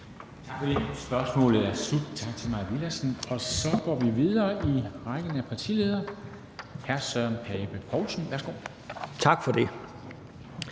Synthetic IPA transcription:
t͡sʰɑ̈ɡ̥fɒd̥e̝sb̥ɶɐsmɔ̰̽ːlð̩ˠæɐsub̥d̥̚t͡sʰɑ̈ɡ̥̚t͡sʰe̝mɑ̈ɪʋilæsn̩ɒ̽sɒ̽ɡ̥ɒ̰ːʋiʋiðˠɐːiʁɑɡ̥ənəæpʰɑ̈t͡sʰḭleːð̞ˠɐ | hæɐsœɐ̰npʰɛːb̥əpʰɒʊsn̩ʋæɐsɡ̥o̝̰ː | t͡sʰɑ̈ɡ̥fɒd̥e̝

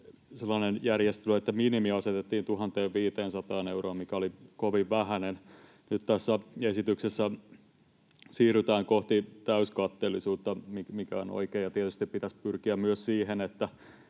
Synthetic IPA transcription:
selːˑɑnenjærjest̪eløet̪ːæminimiɑset̪et̪ːiːnt̪uhɑnt̪eːʋʋiːt̪eːnsɑt̪ɑːneuroːmmikæolikoʋiʋʋæhænen | nyt̪t̪æsːæesit̪yksesːæ | siːryt̪æːŋkoht̪it̪æyskɑt̪ːeːlːˑisuːt̪ːɑmimikæo̰no̰ikeːjɑt̪iet̪yst̪ippit̪æspyrkiæmmyøssiːhenet̪ːæ

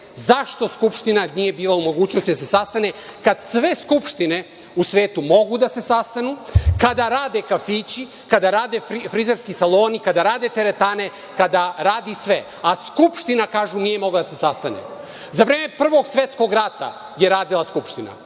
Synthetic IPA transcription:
zaʃt̪o̞skupʃt̪inanije̞biːlˠaumo̞ɡuːt͡ɕnost̪id̪asesast̪anekad̪sʋe̞skupʃt̪ine̞ | usʋe̞ːt̪umo̞ɡud̪ase̞sast̪anukad̪aɾaːd̪e̞kafiːt͡ɕi | kad̪aɾaːd̪efɾizeɾskisalˠo̞ːnikad̪aɾaːd̪e̞t̪e̞ɾet̪aːne̞ | kad̪aɾaːd̪isʋe̞ | askupʃt̪inakaːʒunije̞mo̞ɡlad̪ase̞sast̪anḛ | zaʋɾeːme̞pr̩ʋo̞ɡsʋe̞t̪sko̞ɡɾat̪a̰ | je̞ɾaːd̪ilˠaskupʃt̪ina̰

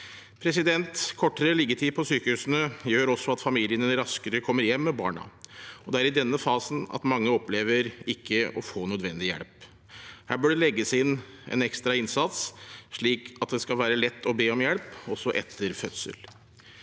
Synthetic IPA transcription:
pʰɾɛsɪd̪ɛnt̪kʰɔʈːəɾəlɪɡət̪ʰiːpʰɔsyːkəhʉːsənəjøːɾɔsːɔɑt̪fɑmiːlɪənəɾɑskəɾəkʰɔmːəɾjɛmːɛbɑ̰ːɳɑ̰ɔd̪ɛæɾɪd̪ɛnːəfɑːsnɑ̰t̪mɑŋːəɔpleːʋəɾɪkʰːəɔfoːnœd̪ʋɛnd̪ɪjɛ̰lp | hæːbøːɖɛlɛɡːəsɛɪɪnː | ɛ̰nɛkst̪ɾɑɪnsɑt̪sʂɭiːkɑt̪̚d̪ɛskɑlʋæːɾəlɛt̪ːɔbeːɔmjɛlpɔsːɔʔɛt̪ʰːəɾfœt̪sə̰l

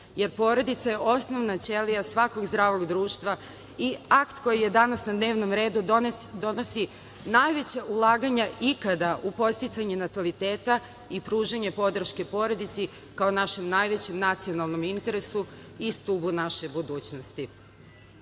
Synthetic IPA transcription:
je̞ɾpo̞ɾod̪it̪saje̞ʔo̞sno̞ʋnat͡ɕe̞liasʋako̞ɡzd̪ɾaːʋo̞ɡd̪ɾuːʃt̪ʋa | iakt̪ko̞jije̞d̪anasnad̪ne̞ːʋno̞mɾe̞ːd̪ud̪o̞no̞si | najʋe̞t͡ɕaʔulˠaːɡaɲaʔikad̪aʔupo̞t̪st̪it̪saɲenat̪alit̪eːt̪a | ipɾuːʒaɲe̞po̞d̪r̩ʃke̞po̞ɾod̪it̪si | kaonaʃe̞mnajʋe̞t͡ɕemnat̪sio̞nalˠno̞mint̪e̞ɾe̞su | ist̪ubunaʃe̞bud̪uːt͡ɕno̞st̪i

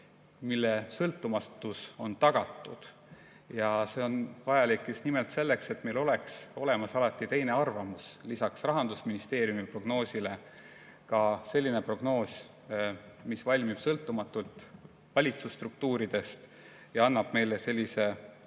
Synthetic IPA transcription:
milːe̞sɤlt̪ːˑumɑt̪ːuso̞̰nt̪ɑɡ̥ɑt̪ːˑud̪̥ | jɑse̞ːo̞nvɑjɑlikːjusnimelt̪se̞lːe̞kse̞t̪me̞lo̞le̞kso̞le̞mɑsɑlɑt̪ːˑit̪e̞jne̞ɑrvɑmuslisɑksrɑɦɑnd̪̥usminist̪e̞ːɾjumipro̞ɡ̥no̞ːsile̞ | kɑse̞lʲːine̞pro̞ɡ̥no̞ːs | misvɑlʲmib̥sɤlt̪ːˑumɑt̪ːˑult̪ˑ | vɑlʲit̪sust̪ruk̚t̪uːɾid̪̥e̞st̪ | jɑɑnːɑb̥me̞jlese̞lʲːise̞

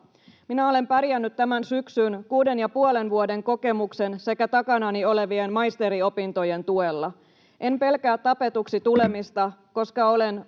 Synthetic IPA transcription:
minæo̞le̞mpæɾjænːyt̪tæmænsyksynkuːde̞njɑpuole̞nʋuode̞ŋko̞ke̞mukse̞nse̞kæt̪ɑkɑnɑnio̞le̞ʋienmɑjst̪e̞ɾio̞pint̪o̞je̞nt̪ue̞lːɑ | ʔe̞mpe̞lkæːt̪t̪ːɑpe̞t̪uksit̪ule̞mist̪ɑko̞skɑo̞len

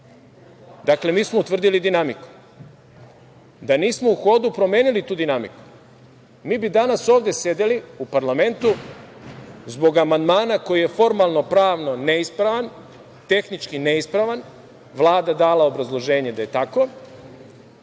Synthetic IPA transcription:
d̪akle̞miːsmout̪ʋr̩d̪ilid̪inamiku̥ | d̪aniːsmo̞uxo̞d̪upɾo̞mje̞ːnilit̪uːd̪inamḭku̥ | miːbid̪anaso̞ːʋd̪e̞se̞d̪eliupaɾlame̞nt̪u | zbo̞ɡamand̪maːnako̞jije̞fo̞ɾmalˠno̞pɾaːʋno̞ne̞ispɾaʋan | t̪e̞xnit͡ʃkine̞ispɾaʋan | ʋlˠaːd̪ad̪aːlaobɾazlˠo̞ʒe̞ːɲe̞d̪aje̞t̪ako̞

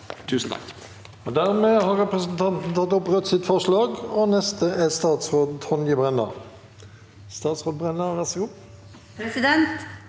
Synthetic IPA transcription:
t̪ʰʉːsn̩t̪ʰɑ̰k | ɔd̪æʁmeːhɑʁɛpʁəsnt̪ʰɑnt̪n̩t̪ʰɑt̪ːɔpʁœt̪ːsɪt̪fɔʁʂlɑːɡɔnɛst̪əʔɛst̪ɑːt̪sʁoːd̪t̪ʰɔnjəbʁɛnːə̰ʁ | st̪ɑːt̪sʁoːd̪̚bʁɛnːəʁʋæʁsɔɡuː | pɾɛsɪd̪ɛnt̪

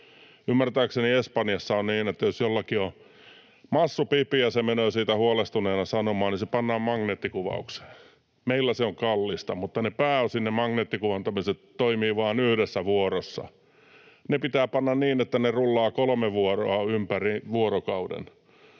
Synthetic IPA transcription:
ymːært̪æːkseniespɑnjɑsːɑonniːnet̪ːæjosjolːɑkio | mɑsːupipiɑsemenøːsiːt̪æhuɑlest̪uneːnɑsɑnomɑːnisepɑnːɑːmɑŋneːt̪ːikuʋɑ̰ukse̥ː | meilːæseoŋkɑlːist̪ɑmut̪ːɑnepæːosinːemɑŋneːt̪ːikuʋɑnt̪ɑmiset̪toimiːʋɑːnyhɾesːæʋuoɾosːɑ̰ | nepit̪æːpɑnːɑnniːnet̪ːænerulːɑːkolmeʋuoro̰ɑympæriʋuoɾokɑudḛn

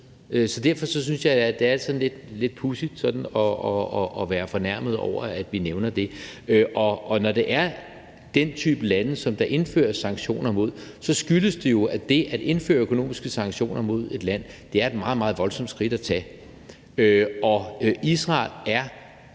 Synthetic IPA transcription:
øsɒ̽d̥æɐfɒ̽sɒ̽synsjɑ̈ɪd̥e̝ælsɒ̽dn̩le̝d̥le̝d̥̚pʰusid̥sɒ̽d̥n̩ɒɒːʋæːɐfɒ̽næɐ̰mð̞̩ˠɒ̰ʊ̰ɐæd̥ʋineʊnɐd̥e̝øʔɒ̽ʔːnɒd̥e̝ʔæɐ | d̥ent͡sʰy̰ːb̥əlænəsɒ̽md̥ɑ̈ʔe̝nfø̰ːɐsɑ̈ŋɡ̥ɕo̝̰ːnɐmo̝ð̞̰ˠsɒ̽sɡ̥yləsd̥e̝jo̝æd̥e̝ʔæd̥e̝nfø̰ːɐøkʰo̝no̝̰ːmisɡ̥əsɑ̈ŋɕo̝̰ːnɐmo̝ð̞̰ˠe̝d̥læn̰d̥e̝æɐe̝d̥mɑ̈ːð̞̩ˠmɑ̈ːð̞̩ˠʋɒ̽lsɒ̽md̥sɡ̥ʁid̥æt͡sʰɛ̰ː | øɒ̽isʁɑ̰̈ːlæɐ

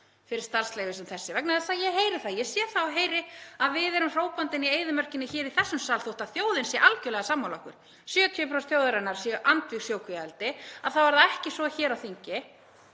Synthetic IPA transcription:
fɪɾɪɾ̥st̪ar̥sleːjvɪsɛmθɛsːɪvɛknaðɛsajɛɦeːjɾɪθaðjɛsjɛːθawɦeːjɾɪaðvɪðɛɾʏmr̥oːwpant̪ɪnieːjðʏmœr̥cɪnːɪçɛːɾiθɛsːʏmsaːlθowht̪aðθjoːwðɪnsjɛʔalcœlɛɣasaːmːawlahkʏɾ̥ | sjœːt̪ʰjœːpɾawsθjowðʏɾanːaɾ̥sjɛʔant̪visjoːwkvialt̪ɪaðθawvaɾðaɛhcɪsvɔçɛːɾawθiɲcɪ

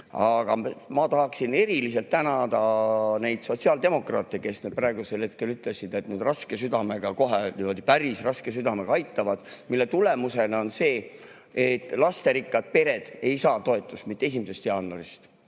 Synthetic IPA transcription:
ɑɡ̥ɑmɑt̪ɑɦɑksine̞ɾilis̬e̞lt̪t̪ːænɑd̪̥ɑne̞jd̪̥so̞t̪siɑːld̪e̞mo̞kˑrɑ̰ːt̪ːˑeke̞sned̪̥̚prɾɑeɡuse̞lhe̞t̪̚ke̞lyt̪ːˑle̞sid̪̥e̞t̪nyd̪rɑske̞syd̪̥ɑme̞ɡ̥ɑko̞ɦeiod̪ipæɾisrɑske̞syd̪ɑme̞ɡ̥ɑɑjt̪ˑːɑvɑd̪̥milːe̞t̪ule̞muse̞nɑonse̞ː | et̪ːˑlɑst̪e̞ɾikːˑɑd̪̥̚pe̞ɾe̞d̪̥e̞jsɑːt̪o̞e̞t̪ˑːust̪mit̪ːesimise̞st̪jɑːnːoɾist̪

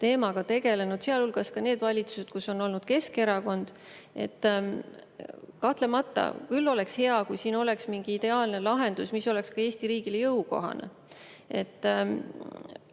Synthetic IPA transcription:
t̪e̞ːmɑɡ̥ɑt̪e̞ɡe̞le̞nud̪̥seɑlulɡ̥ɑskɑne̞ːd̪vɑlʲit̪su̥sed̪̥̚kuso̞nːo̞lnud̪̥ke̞ske̞ɾɑko̞nd̪̥ | e̞̰t̪ː | kɑht̪lemɑt̪ːˑɑ̰kylːo̞le̞kshe̞ɑkujsiːno̞le̞ksmiŋɡ̥iid̪̥e̞ɑːlne̞lɑɦe̞nd̪̥usmiso̞le̞kskɑe̞ːsʲt̪iɾiːɡ̥ilejɤwko̞̰ɦɑ̰nḛ | e̞̰t̪ː

